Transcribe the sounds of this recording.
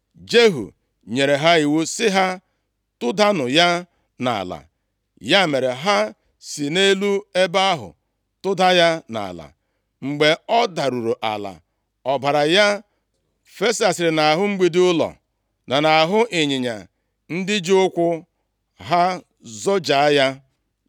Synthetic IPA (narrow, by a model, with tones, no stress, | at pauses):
d͡ʒe˦ɦṵ˨ | ɲe˨ɾe˨ɦa˦i˨wu˦sɪ˦ɦa˦ | tʊ˦da˦nʊ˨ja˦ | na̰˨a̰˨la̰˨ | ja˦˨me˨ɾe˨ɦa˦ | si˨ne˦lu˦e˦ba˦a˦ɦʊ̰˨ | tʊ˦da˦ja˦na̰˨la̰˨ | ŋ͡m̩˨ɡ͡be˨ɔ˦da˨ɾu˨ɾo˨ʔa̰˨la̰˨ | ɔ˨ba˨ɾa˨ja˦ | fe˦sa˨sɪ˨ɾɪ˨na˨ɦʊ˦ŋ͡m̩˦ɡ͡bi˦dɪ˦ʊ˦lɔ̰˨ | na˨na˨a˨ɦʊ˦ʔɪ˨ɲɪ˨ɲa̰˨ | n̩˦dɪ˦d͡ʒi˦ʊ˦kʷʊ˦ | ɦa˦ | zɔ˦d͡ʒa˨˦ja˦